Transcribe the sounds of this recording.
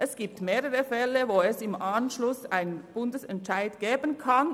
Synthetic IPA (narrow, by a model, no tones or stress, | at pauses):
ʔɛsɡ̥iːp̚tmeːʁəʁəfɛləvoːɛsɪmʔanʃlʊsaɪnb̥ʊndəsɛntʃaɪdɡ̥eːbənkʰan